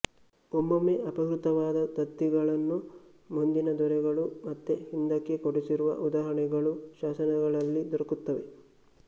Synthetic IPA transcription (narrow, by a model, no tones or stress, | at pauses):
ombɐmːeʔɐpɐkɾut̪ɐʋaːd̪ɐt̪ɐt̪ːiɡɐɭɐnːu | mund̪inɐd̪ɔɾɛɡɐɭumɐt̪ːehind̪ɐkːekoɽisiɾuʋɐ̰ʔud̪aːɦɐɳɛɡɐɭuʃaːsɐnɐɡɐɭɐlːid̪ɔɾɐkut̪ːɐʋe̞